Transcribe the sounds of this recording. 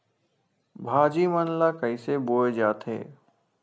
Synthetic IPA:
bʱaːd͡ʒimənlakəɪseboːed͡ʒaːt̪ʰḛː

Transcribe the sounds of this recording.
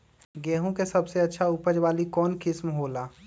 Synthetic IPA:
ɡɛːɦõkesɐbseɐtːʃʰaʊpəd͡ʒwaːlikɔːnkɪsmɦoːlaː

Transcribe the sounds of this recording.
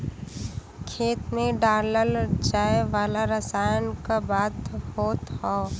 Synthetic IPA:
kʰeːt̪mẽɖaːɾləld͡ʒaːeʋaːlaɾəsaːjənkabaːt̪hoːt̪hɔ

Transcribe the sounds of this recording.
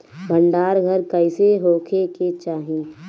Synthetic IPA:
bʱəɳɖaːɾɡʱəɾkəɪseɦoːkʰeket͡ʃaːɦĩː

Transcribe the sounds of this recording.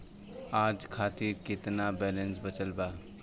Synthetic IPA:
aːd͡ʒkʰaːt̪ɪɾkɪt̪nabɛːlẽnsbət͡ʃəlbaː

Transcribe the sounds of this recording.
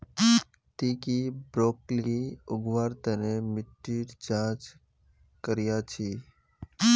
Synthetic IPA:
t̪iːkibɾoːkliʊɡʋaːɾt̪ənemɪʈːiːɾd͡ʒãːt͡ʃ | kəɾɪjat͡ʃʰi

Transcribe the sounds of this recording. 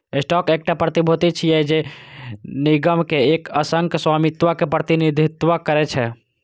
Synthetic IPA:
esʈɔkek̚ʈapɾət̪ibʱot̪it͡ʃʰijɛd͡ʒe | niɡəmkeekəsəŋkswamit̪ʋakepɾət̪inid̪ʱit̪ʋakəɾɛt͡ʃʰɛ

